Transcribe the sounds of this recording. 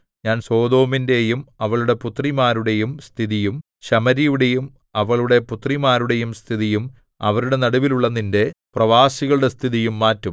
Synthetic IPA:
ɲaːnso̞ːd̪o̞ːminde̞jumɐʋɐɭuɽe̞put̪rimaːɾuɽe̞jumst̪ʰiðijum | ɕɐmɐɾijuɽe̞jum | ɐʋɐɭuɽe̞put̪rimaːɾuɽe̞jumst̪ʰiðijum | ɐʋɐɾuɽe̞nɐɽuʋiluɭːɐnːinde̞prɐʋaːsiɣɐɭuɽest̪ʰiðijumːaːtːum

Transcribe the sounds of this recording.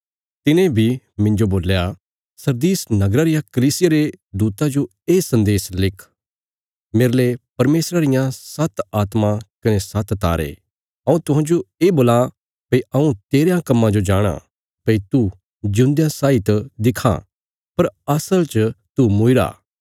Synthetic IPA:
t̪ɪnẽbʱi | mɪ̃nd͡ʒoboːlja | sɐɾd̪iːsnɐɡɾaɾɪjakɐliːsɪjaɾed̪uːt̪ad͡ʒo | eːsɐ̃nd̪eːslɪkʰ | meːɾlepɐɾmeːsɾaɾɪjãsɐt̪aːt̪mãkɐnesɐt̪t̪a̰ːɾḛː | ɐ̃ːũt̪ʊɦãːd͡ʒoeːboːla | pɐiʔɐũt̪eːɾjãkɐmːãd͡ʒod͡ʒaːɽ̃a̰ | pɐit̪u | d͡ʒũnd̪jãsaːɪt̪d̪ɪkʰa̰ | pɐɾɐsəlt͡ʃt̪umʊɪɾa̰ː

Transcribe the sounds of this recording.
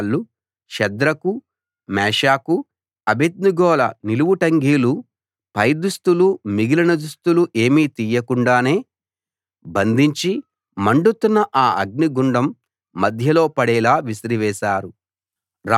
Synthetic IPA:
lːu | ʃɛd̪ɾɐku | mɛːʂaːku | ɐbʱed̪̚nuɡɔːlɐ̰niluʋuʈɐŋɡiːlu | pɐjd̪ust̪ulumiɡilɐnɐd̪ust̪uluʔe̞ːmiːt̪ijɐkuɳɖaːne̞ː | bɐnd̪ʱiɲt͡ʃi | mɐɳɖut̪unːɐʔaːɐɡ̚niɡuɳɖɐmː | ɐd̪ʱjɐlo̞ːpɐɽɛːlaːʋisɐɾiʋɛːʃaːɾu | ɾa

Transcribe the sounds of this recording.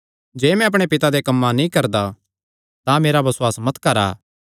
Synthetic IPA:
d͡ʒeːmɛ̃ɐpɽ̃epɪt̪ad̪ekɐmːanĩkɐɾd̪a | t̪ãmeːɾabɐsʊwaːsmɐt̪kɐɾa̰ː

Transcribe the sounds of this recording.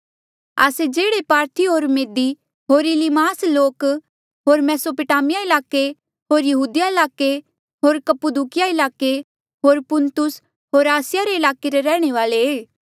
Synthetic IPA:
a̰ːsed͡ʒeːɽepaːɾt̪ʰiɦoːɾmeːd̪i | ɦoːɾɪlimaːsloːk | ɦoːɾmɛːsopʊʈaːmɪjaɪlaːke | ɦoːɾjɐɦuːd̪ɪjaɪlaːke | ɦoːɾkɐpʊd̪ukɪjaɪlaːke | ɦoːɾpʊ̃nt̪ʊs | ɦoːɾaːsɪjaɾeɪlaːkeɾeɾɛːɽ̃eʋaːleeː

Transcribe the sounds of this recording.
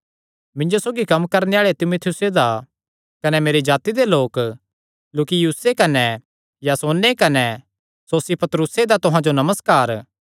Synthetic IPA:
mɪ̃ɲd͡ʒosoːɡikɐmkɐɾneaːɭet̪ɪmut̪ʰɪjʊsed̪a | kɐnɛmeːɾed͡ʒaːt̪id̪eloːk | loːkijuɦsekɐnɛ | jasoːnːekɐnɛ | soːsipɐt̪ɾʊsed̪at̪ʊɦãd͡ʒonɐməskaːɾ

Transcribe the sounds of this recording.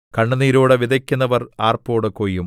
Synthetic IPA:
kɐɳːɐniːɾoːɽeʋid̪ɐkʲːunːɐʋɐraːrpoːɽɨkoːjːum

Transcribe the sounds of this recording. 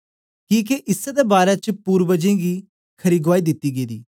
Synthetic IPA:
kĩːk̬eʔɪsɛd̪ebaːɾet͡ʃpuːɾbəd͡ʒẽːɡiː | kʰɐɾiːɡʋaːiːd̪ɪt̪ːiːɡeiːd̪ḭː

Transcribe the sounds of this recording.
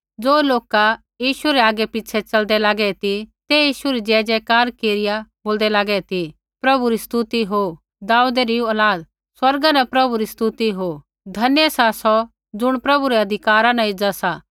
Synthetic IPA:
d͡zoːloːka | jiːʃuɾɛaːɡɛpɪt͡ʃʰɛt͡ʃɐld̪ɛlaːɡɛt̪it̪ejiːʃuɾid͡ʒɛːd͡ʒɛkaːɾkeːɾɪjaboːld̪ɛlaːɡɛt̪i | pɾɐbuɾist̪ut̪iɦo | d̪aːud̪eɾiuɐlaːd̪ | swɐɾɡanɐpɾɐbuɾist̪ut̪iɦo | d̪ʱɐnjɛsasɔ | d͡ʒʊɽ̃pɾɐbuɾɛɐd̪ʱɪkaːɾãnɐ̃ɪd͡zasa

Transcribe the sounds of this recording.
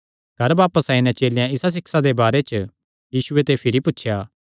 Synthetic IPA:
ɡʱɐɾbaːpəsaɪnɛ̃t͡ʃeːljãɪsas̬ɪksad̪ebaːɾet͡ʃə | jiːsʊet̪epʰɪɾipʊtːʃʰjaː

